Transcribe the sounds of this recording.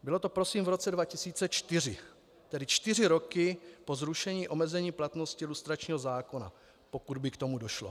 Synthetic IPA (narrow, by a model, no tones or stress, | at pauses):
bɪlo̞t̪o̞pɾo̞siːmvɾo̞t͡sɛdvacɪsiːt͡sɛt͡ʃt̪ɪr̝ɪ | t̪ɛdɪt͡ʃt̪ɪr̝ɪɾo̞kɪpo̞zɾuʃɛɲiːʔo̞mɛzɛɲiːplat̪no̞scɪlust̪ɾat͡ʃɲiːɦo̞zaːko̞na̰ | po̞kud̪bɪkt̪o̞mudo̞ʃlo̰